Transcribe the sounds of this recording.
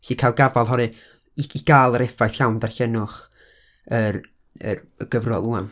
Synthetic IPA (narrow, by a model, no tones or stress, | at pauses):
ɬiːkʰajlˠɡavalˠɦɔɾɨ | iiɡ̥aːlˠəɾɛfajθɬawndarɬɛnʊχ | əɾ | ə̰r | əɡ̥əvrɔlˠuam